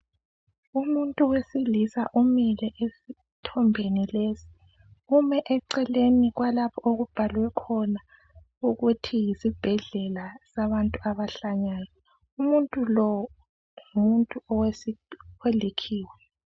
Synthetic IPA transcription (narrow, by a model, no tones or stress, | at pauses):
umuntʼuwesilisaʔumilɛʔesi | tʰɔmbʱenilezi̥ | umɛʔɛǀɛleniɣwalapʰɔoɣub̥ʱalwɛkʰɔna | uɣutʰijisib̥ʱɛɮɛlasaβantʼuaβaɬaɲaːjɔ | umuntʼulɔ | umuntʼuɔwewelikʰiːwɛ